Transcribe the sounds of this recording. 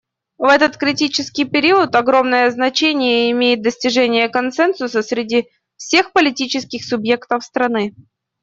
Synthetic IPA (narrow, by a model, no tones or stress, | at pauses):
vɛt̪ət̪kɾʲɪtʲit͡ɕɪskʲɪjpʲɪɾʲiət̪ɐɡɾo̞mnəjəznɐt͡ɕenʲɪjəɪmʲejɪt̪̚d̪əsʲtʲɪʐɛnʲɪjəkɐnt̪sɛnsʊsəsʲɾʲɪdʲi | fsʲe̞xpəlʲɪtʲit͡ɕɪskʲɪxsʊbje̞kt̪əfst̪ɾɐnɨ